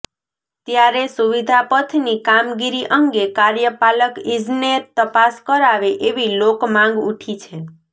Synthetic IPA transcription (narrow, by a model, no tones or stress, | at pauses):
t̪jaɾesuʋid̪ʱapət̪ʰnikamɡiɾiʔəŋɡekaɾjəpaləkid͡ʒnet̪ːəpaskəɾaʋeʔeʋilokmãŋɡuʈʰit͡ʃʰe